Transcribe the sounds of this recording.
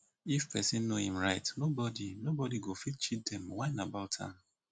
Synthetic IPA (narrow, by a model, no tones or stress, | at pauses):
ifpɛsɪ̃nːohĩmɹaɪtnobɔdinobɔdiɡofit̚t͡ʃit̚dɛ̃mwaɪnabaʊtʰã̰m